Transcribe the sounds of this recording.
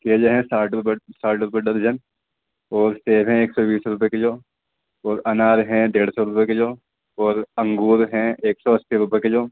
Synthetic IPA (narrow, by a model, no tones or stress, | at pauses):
keːd͡ʒeɦɛ̃saːʈɾʊpəsaːʈɾʊpəɖəɾd͡ʒən | ɔːɾseːbɦɛ̃eːksɔbiːsɾʊp̬eked͡ʒoː | ɔːɾɐnaːɾɦɛ̃d̪eːɽsɔɾʊpeked͡ʒoː | ɔːɾɐ̃ŋɡuːɾɦɛ̃eːksɔɐssiɾʊpeked͡ʒoː